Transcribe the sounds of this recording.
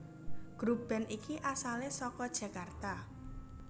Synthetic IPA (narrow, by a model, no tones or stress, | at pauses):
ɡ̥ɾub̥ɛ̤nikiʔasalesɔkɔd̥ʒ̥ä̤kart̪a